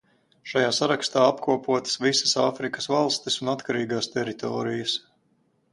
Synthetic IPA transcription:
ʃajaːsaɾakst̪aːapkuɔpuɔt̪ə̥svisə̥saːfɾikə̥svalˠst̪isunat̪kaɾiːɡaːst̪ɛɾit̪ʰɔːɾijəs

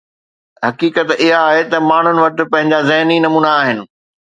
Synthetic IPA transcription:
ɦɐkiːkət̪ɪɦaːɦet̪ɐmaːɳ̤ʊnɪ̆ʋɐʈɪ̆pɐ̃ɦɪ̃ɲd͡ʑazɪɦninɐmuːnaːɦɪnɪ̆

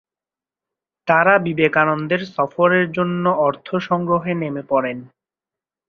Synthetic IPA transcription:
t̪aɾabibekanond̪eɾsɔfoɾeɾd͡ʑonːoɔɾt̪ʰoʃɔŋɡɾoɦenemepɔɾen

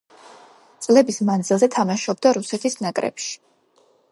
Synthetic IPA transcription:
t̪sʼlɛbismand̪zilˠzɛt̪ʰamaʃɔb̚d̪aɾusɛt̪ʰisnakʼɾɛ̰pʃi̥

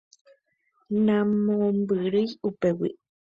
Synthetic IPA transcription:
nãmombɨɾɨiupewḭʔ

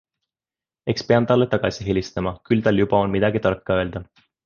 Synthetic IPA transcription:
e̞kspe̞ɑnt̪ɑlːet̪ɑɡ̥ɑsʲiɦelʲist̪ɑmɑkylt̪ɑljubɑo̞nmid̪̥ɑɡ̥it̪ɑrkːɑø̞eld̪̥ɑ

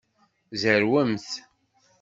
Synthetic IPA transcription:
zəɾwəmθ

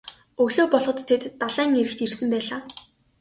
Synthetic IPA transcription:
ɵɣɮoːpɔɮʁɞ̆t̪ʰːet̪ːaɮæːŋeɾɘ̆xt̪irsɘ̆mpæːɮaː

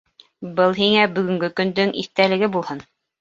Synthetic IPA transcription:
bɤlˠɦiŋæbɵ̆ɡɵ̆ŋɡɘkɵ̆nd̪ɵŋʔḭθt̪ælɘ̆ɡɘbulˠhɤn

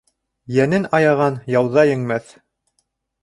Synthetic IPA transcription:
jænɘnɑjɑʁɑnjɑwðɑjɘ̆ŋmæθ

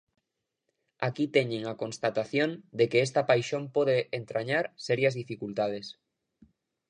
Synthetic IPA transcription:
akit̪eɲeŋakõnst̪at̪aθjond̪ekeest̪apajʃompoðeent̪ɾaɲaɾseɾjazðifikult̪að̞es

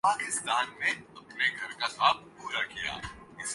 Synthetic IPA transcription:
paːkɪst̪aːnːeɐpneɡʱɐɾkasaːb̪̚puːɾakija̰ː | ɪs

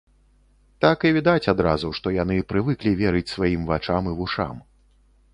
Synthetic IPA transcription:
t̪akivʲid̪at͡sʲad̪ɾa̰zuʂt̪ɔjanɨpɾɨvɨklʲivʲɛɾɨt͡sʲsvajimvat͡ʂamɨvuʂa̰m

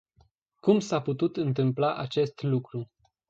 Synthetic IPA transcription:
kumsaput̪ut̪ɨnt̪ɨmplaʔat͡ʃe̞st̪lukɾu

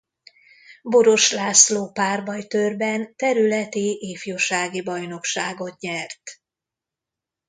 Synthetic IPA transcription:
bo̞ɾo̞ʃlaːsloːpaːrbɒjt̪ørbɛnt̪ɛɾylɛt̪iʔeːfjoːʃaːɡibɒjno̞kʃaːɡo̞t̪ɲɛrt̪

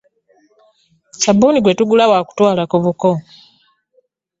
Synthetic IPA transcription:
sabuːniɡwetuɡulawaːku̥twaːlakuβuko

